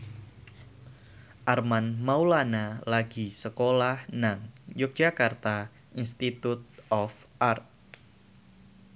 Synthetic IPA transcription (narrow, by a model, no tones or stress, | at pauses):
ʔarmanmaulanalaɡisəkolahnaŋjʊk̚d͡ʒ̥akart̪a | inst̪it̪ut̪̚ɔf | ʔart̪̚